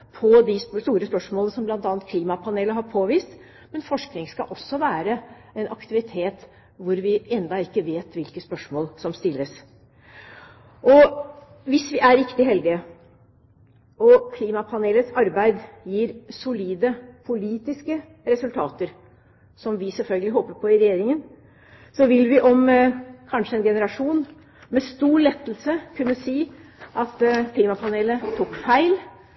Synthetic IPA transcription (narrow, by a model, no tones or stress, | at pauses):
pʰɔd̪ɪsst̪uːɾəspœʂmoːlnəsɔmblɑnt̪ɑːnt̪̚kʰliːmɑpʰɑneːləɦɑɾpʰoːʋiːst̪ | mɛnfɔʂknɪŋskɑ̰ʔɔsːɔʋæːɾə | ɛnʔɑkt̪ɪʋɪt̪ʰeːt̪ | ʋʊɾʋɪɛnd̪ɑɪkːəʋeːt̪ʋɪlkəspœʂmoːlsɔmst̪ɪlːəs | ʔɔ | ʋɪsʋɪʔæɾɪkt̪ɪɦɛld̪ɪə | ʔɔkʰliːmɑpʰɑneːlət̪sɑɾbæɪd̪jiːɾsʊliːd̪əpʰʊliːt̪ɪskə | ɾɛsʉlt̪ʰɑ̰ːt̪əɾ | sɔmʋɪsɛlfœlɡəlɪɦoːpəɾpʰɔɪɾɛjeːɾɪŋən | sɔʋɪlʋɪʔɔmkʰɑnʂəɛnɡɛnəɾɑʂuːn | mɛst̪uːɭɛt̪ːl̩səkʰʉnːəsiːʔɑt̪kʰliːmɑpʰɑneːlət̪ʰuːkfæɪl